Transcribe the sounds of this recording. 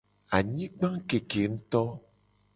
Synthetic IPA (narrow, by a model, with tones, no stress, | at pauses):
a˨ɲĩ˦ɡ͡bã˦ŋke˨ke˨ŋ̩˦t̪ɔ˦